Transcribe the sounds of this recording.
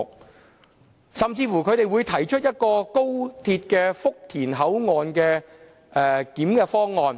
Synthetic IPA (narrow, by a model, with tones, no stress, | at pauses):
k̚ | sɐ˨mt͡siː˧fuː˨˩kʰɵ˨˧ɥt̪e˨jwuː˨˧jt̪ʰɐ˨˩jt͡ʃʰɵ˥t̚jɐ˥t̚kɔː˧ko˥wt̪ʰiː˧t̚kɛː˧fʊ˥k̚t̪ʰiː˨˩nɦɐ˨˥wŋɔː˨˧nkɛː˧ | ʔɛː˨k̪iː˨˥mkɛː˧fɔː˥ŋːɔː˨˧n